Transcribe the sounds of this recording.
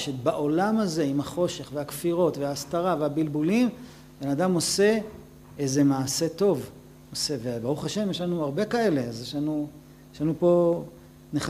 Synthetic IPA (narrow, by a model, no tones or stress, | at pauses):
ʃebaʔo̞lamazeimhaχo̞ʃe̞χveakfiʁo̞tveaːstaʁaveabilbulim | benad̪amo̞se̞ | eze̞maːse̞to̞v | ose̞vebaʁuχaʃe̞mjeʃlanuaʁbe̞kae̞le̞azjeʃlanu | jeʃlanupo̞ | neχ